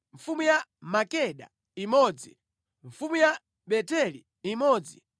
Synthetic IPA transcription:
ɱfumujamakɛɗa̰ | imɔːd͡zi | ɱfumuja | ɓɛtɛli | imɔːd͡zi

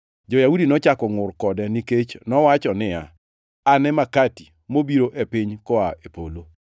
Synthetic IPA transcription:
d͡ʒɔjaudinɔt͡ʃakɔŋʊrkɔdɛniket͡ʃnɔwat͡ʃɔnɪa̰ | anɛmakati | mobiɾoʔepiɲkɔaepo̰lo

